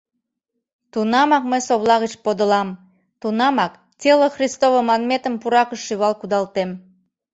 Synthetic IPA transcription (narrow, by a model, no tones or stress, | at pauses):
t̪unɑmɑk̚məjsoβlɑɣət͡ɕpod̪əlɑm | t̪unɑmɑk | tʲeloxrʲist̪oβəmɑnmʲet̪əmpuɾɑkəʃːyβɑlkud̪ɑlt̪em